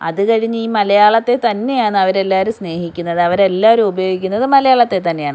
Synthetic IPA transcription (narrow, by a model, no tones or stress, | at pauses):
ɐ̰ðɨkɐɻiɲːɨiːmɐlɐjaːɭɐt̪ːe̞t̪ɐnːe̞jaːɳɨɐʋɐɾe̞lːaːɾusne̞ːhikʲːunːɐðɨɐʋɐɾe̞lːaːoɾumubɐjo̞ːɡikʲːunːɐðɨmɐlɐjaːɭɐt̪ːe̞t̪ɐnːejaːɳɨ